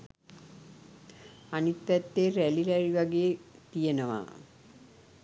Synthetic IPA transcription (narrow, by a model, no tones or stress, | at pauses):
anit̪ːɛt̪ːeːɾælilɛɾiʋaɡeːt̪ijenəʋa̰ː